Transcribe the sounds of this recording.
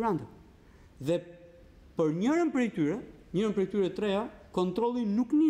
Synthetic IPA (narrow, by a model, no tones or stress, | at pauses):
ɾant̪ə | ðɛ | pəɾɲəɾənpɾɛjk̚t̪yɾɛ | ɲəɾəmpɾɛjk̚t̪yɾɛt̪ɾɛjakɔ̃nt̪ɾɔlˠinukni